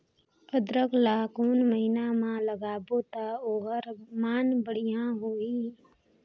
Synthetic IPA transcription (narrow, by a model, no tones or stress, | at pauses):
əd̪ɾəklaːkoːnməɦɪnamãləɡaːboːt̪aoːɦəɾmaːnbəɽ̤ijãɦoːiː